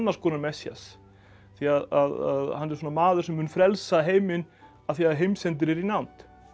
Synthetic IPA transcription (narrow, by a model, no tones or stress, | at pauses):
nːaɾ̥skʰɔːnaɾmɛsja̰s | θiaðaða̰ðhanːɛɾ̥sɔːnamaːðʏɾ̥sɛmːʏːnfɾɛlsaɦeːjmɪn | aðθiaðɦejmsɛnt̪̬ɪɾɛɾinant̪